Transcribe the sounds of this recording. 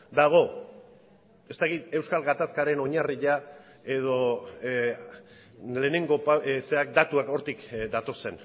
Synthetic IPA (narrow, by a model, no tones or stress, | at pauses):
d̪aɣ̞o̞ | est̪akit̪e̞wskalɣat̪askaɾe̞no̞ɲariʎa | e̞ðo̞ | le̞ːne̞ŋɡo̞paseak̚d̪at̪uako̞ɾt̪ikd̪at̪o̞se̞n